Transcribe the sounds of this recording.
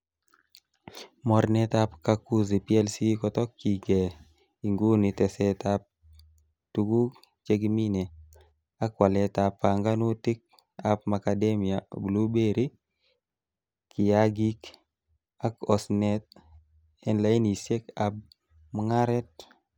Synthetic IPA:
mɔ˨ɾnɛ˦t̪a˦pkaku˦ze˨pi˦ɛlsikɔtɔ˦kːi˨ɡe˨ | i˨ŋɡu˦nitɛ˨sɛtap̚ | tuɡu˦ | t͡ʃe˦ɡmi˦ne˨ | a˦kːwa˨lɛ˦tapːa˨ŋɡa˦nu˦tɪ˦k̚ | a˦p̚ma˨kademijabu˨lu˦be˦ɾi˦ | ki˨jaɡi˦k | a˦kɔsnɛt̪̚ | ɛnla˦i˦ni˨se˦kap̚ | mŋa˦ɾɛ˦t̚

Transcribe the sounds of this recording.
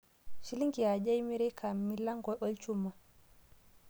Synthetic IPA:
ʃi˦li˦ŋɡi˨ja˨d͡ʒa˦jmi˦ɾɛ˦kʰa˨mmːi˦la˦ŋɡɔ˨ɓɔ˦lt͡ʃumːa˨

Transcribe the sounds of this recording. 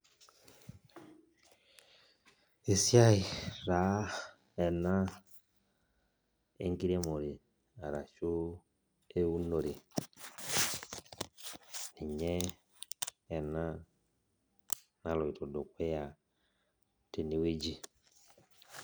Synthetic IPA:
e˨sja˦i˨ɾa˨˦ | ɛ˨na˦ | ḛ˦ŋɡi˦ɾe˦mo˨ɾi˨ | a˨ɾa˨ʃu˦ | e˦u˦no˨ɾi˨ | ni˨ɲɛ˦˨ | na˦ | na˨lo˨i˨to˨do˨kwe˦ja˨ | te˨ni˨we˦d͡ʒi˨

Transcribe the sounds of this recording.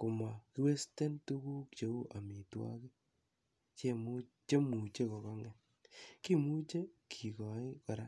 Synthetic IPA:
ko˨ma˨ki˦we˦ste˦ntu˦ku˦kt͡ʃe˨˦u˦ʔa˨mi˨twa̰˦kɪ˦ | t͡ʃe˦m˦ | t͡ʃe˦mu˨t͡ʃe˦kɔ˨kɔ˦ŋɛ˦ | ki˦˨mu˦t͡ʃe˦kʰi˨kɔ˨ɪ˦kɔ˨ɾa˦

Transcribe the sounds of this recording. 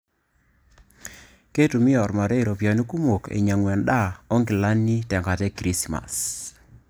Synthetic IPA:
ke˦tu˨mi˦ɔ˨ɾma˨ɾe˦˨ɾɔ˨pja˨ni˦ku˦mo˨kḛ˨ɲa˨ŋwɛ˨nɗa˦˨ɔ˦ŋɡɪ˨la˦nːi˦tɛ˨ŋɡa˨tɛ˦kɾi˦sma̰˨s

